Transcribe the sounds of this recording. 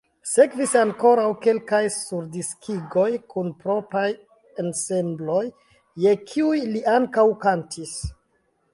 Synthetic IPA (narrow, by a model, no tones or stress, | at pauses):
se̞kvisaŋko̞ɾawke̞lkajsuɾdiskʰiɡo̞jkʰunpɾo̞pɾaj | ense̞mblo̞jː | e̞kʰiujliʔaŋkawkantis